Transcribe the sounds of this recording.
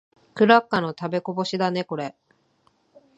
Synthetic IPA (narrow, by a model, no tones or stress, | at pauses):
kɯ̟ɾakːano̞t̪abe̞ko̞bo̞ɕid̪ane̞ko̞ɾe̞